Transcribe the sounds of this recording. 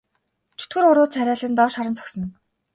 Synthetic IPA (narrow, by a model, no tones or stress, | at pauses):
t͡ɕʰut̪ɡɘ̆ɾʊɾʊːt͡sʰæɾʲæːɮɘ̆nt̪ɔːʃaɾə̆nt͡sʰɔ̥ksə̆n̆n